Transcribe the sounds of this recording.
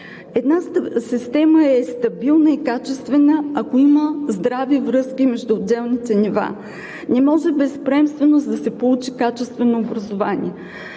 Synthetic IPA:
ɛd̪nasist̪ɛməɛst̪ɐbilˠnəikat͡ʃɛst̪vɛnəɐkoiməzd̪ɾavivɾɤskʲimɛʒd̪ʊːd̪ːɛlˠnit̪ɛniva̰ | nɛmɔʒɛbɛspɾɛmst̪vɛnozd̪ɐsɛpolˠut͡ʃikat͡ʃɛst̪vɛnoːbɾɐzovanḭɛ

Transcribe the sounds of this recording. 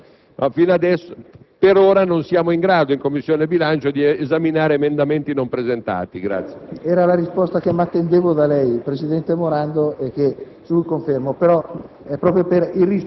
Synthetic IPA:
afinad̪ɛsːo | peɾoːɾanonsjaːmoiŋɡɾaːd̪oiŋkomːisːjoːnebilant͡ʃod̪iːzaminaːɾeːmend̪ament̪inompɾezent̪a̰ːt̪iɡɾa̰t̪sːjeɛːɾalaɾispɔst̪ak̟emːat̪ːend̪eːvod̪alɛjpɾesid̪ɛnt̪emoɾand̪oʔek̟ːe | suukoɱfermopeɾɔ | ɛpːɾɔːpɾjoperilris

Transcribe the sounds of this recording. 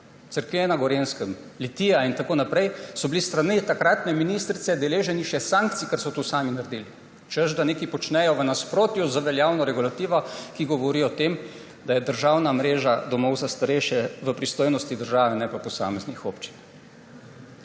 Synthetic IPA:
t̪səɾkenaɡɔɾenskəmlit̪iːjaint̪akoːnapɾɛjsɔbilist̪ɾanit̪akɾaːt̪nɛminiːst̪ɾit̪sɛd̪ɛleːʒɛniʃɛsãŋk̚t̪sikɛɾsɔt̪usaːminaɾd̪iːli | t͡ʃəzd̪aneːkipɔt͡ʃnɛjɔʋənaspɾoːt̪juzaʋɛljaːwnɔɾɛɡulat̪iːʋɔkiɡɔʋɔɾijɔt̪em | d̪ajɛd̪əɾʒaːwnamɾeːʒad̪ɔmɔwzast̪aɾɛjʃjɛʋəpɾist̪oːjnɔst̪id̪əɾʒaːʋɛnɛpapɔsa̰ːmɛznixoːpt͡ʃi̥n

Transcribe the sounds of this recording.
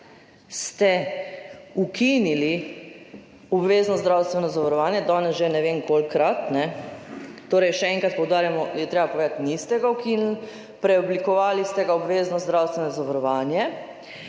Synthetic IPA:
st̪ɛ | ukʰinili | ɔbʋeːznɔzd̪ɾaːwst̪ʋɛnɔzaʋaɾɔʋaːnjɛd̪ɔːnɛsʒenɛʋeːmkolkɾat̪nɛ | t̪oːɾɛjʃɛɛŋkɾat̪pɔwd̪aːɾjamɔjɛt̪ɾeːbapoʋeːd̪at̪nist̪ɛɡawkinl | pɾɛɔblikɔʋaːlist̪ɛɡaɔbʋeːznɔzd̪ɾawst̪ʋɛnɔzaʋaɾɔʋaːnjɛ

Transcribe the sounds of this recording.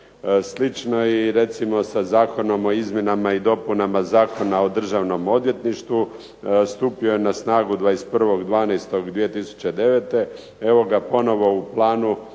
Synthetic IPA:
slit͡ʃno̞iɾe̞t̪simo̞sazaːko̞no̞mo̞izmje̞namaid̪o̞punamazaːko̞naod̪r̩ʒaʋno̞mo̞d̪ʋje̞t̪niʃt̪ʋu | st̪uːpiojenasnaːɡud̪ʋaːest̪pr̩ʋo̞ɡd̪ʋaːnest̪o̞ɡd̪ʋije̞t̪isu̥t͡ɕe̞d̪e̞ʋet̪e̞ | e̞ʋo̞ɡapo̞no̞ʋo̞uplˠaːnu

